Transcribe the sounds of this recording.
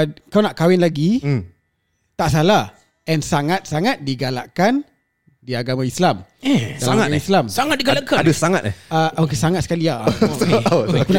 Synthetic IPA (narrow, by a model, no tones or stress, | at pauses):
kawnaʔkawɪnlaɡi | t̪aʔsala | ɛnsaŋat̪̚saŋat̪̚diɡala̰ʔkan | diaɡamãislamɛɡalaŋataislamsaŋat̪̚diɡalakadəsaŋa̰t̪̚ɛ̰akesaŋat̪̚səkalia | kun